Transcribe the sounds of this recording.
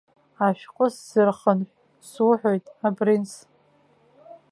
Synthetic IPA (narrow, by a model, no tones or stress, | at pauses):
aʃᶣqʷʼʊsz̥ɨrχənʷ | sʊħʷᶣojtʼabrins